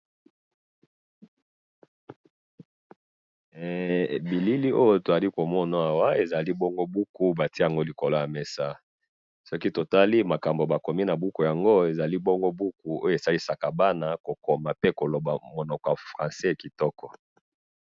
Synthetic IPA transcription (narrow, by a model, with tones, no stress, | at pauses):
bi˨li˦li˦ʔo˦jo˦to˨za˨li˦ko˨mɔ˦na˨a˨wa˦e˨za˨li˦bɔ˦ŋɡo˦bu˦ku˦ba˨ti˦˨a˨ŋɡo˦li˨ko˨lo˦ja˨me˨sa˦ | sɔ˦ki˦to˨ta˦li˦ma˨ka˨mbo˨ba˨ko˨mi˦na˨bu˦ko˨ja˨ŋɡo˦e˨za˨li˦bɔ˦ŋɡo˦bu˦ku˨o̰˦jo˨e˨sa˦li˦sa˨ka˨ba˦na˦ko˨ko˨ma˨pe˦ko˨lo˨ba˨mo˨nɔ˨kɔ˨a˨fʁã˨sɛ˦˨ki˨tɔ˦kɔ˨